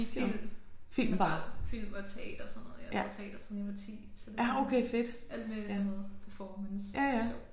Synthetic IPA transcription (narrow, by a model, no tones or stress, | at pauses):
id̥jofil̰mb̥ɑ̰̈lfil̰mɐt͡sʰe̝ɛ̰ːd̥ɐsɔ̽nːɔ̽ːð̩ˠjˠjæt͡sʰeɛ̰ːd̥ɐsɒniʋɐt͡sʰḭːsæoʊkʰeɪfe̝d̥ʔæl̰d̥meænnɔːð̩ˠpʰæɐfɒmənsjæjæo